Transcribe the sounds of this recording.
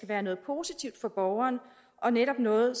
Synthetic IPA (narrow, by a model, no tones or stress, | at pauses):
ɡ̥æʋæːɐnɔ̽ːð̞̩ˠpʰo̝ːsit͡sʰiʊd̥fɒ̽b̥ɒʊɐːnə | ʔɒ̽neɾ̥ɒ̽b̥nɔ̽ːð̩ˠs